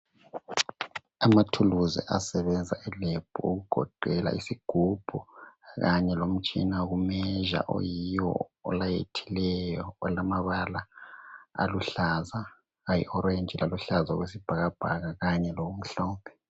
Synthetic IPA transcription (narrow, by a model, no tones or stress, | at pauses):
amatʰuluzɛ̰ʔasɛβɛnd͡zʱa̰ʔɛleb̥ʱuuɣuɡ̥ʱɔ̰ǃʱɛla̰ʔisiɡ̥ʱub̥ʱuɣaɲɛlom̩t͡ʃʼinaɣumɛʒa̰ʔo̰jijɔ̰ɔ̰lajetʰi̥lɛjɔɔlamaβala | a̰luɬaza | ɣajḭʔɔɾend͡ʒʱilʔaluɬaza̰ɣwesib̥ʱaɣab̥ʱaɣaɣaɲɛloɣum̩ɬɔːmʱɛ